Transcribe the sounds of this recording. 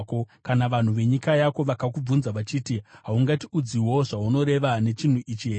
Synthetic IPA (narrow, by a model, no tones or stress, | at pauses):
kokanaʋan̤uʋe̞ɲikajako̞ʋakakub͡vunzaʋat͡ʃiːtiɦauŋɡatiud͡ziwo̞ʐauno̞ɾe̞ʋane̞t͡ʃin̤uʔit͡ʃie